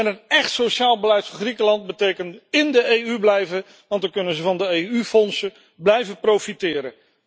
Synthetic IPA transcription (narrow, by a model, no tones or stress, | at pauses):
ɛnənɛχtsoʃaːlˠbəlɛjtfɑ̃χrikəlɑnt̚bətejkəntɪndəejyblɛjvə | ʋɑntəkɵnənzəvɑndəejyfɔnsə | blɛjvəprowfitɪːɾə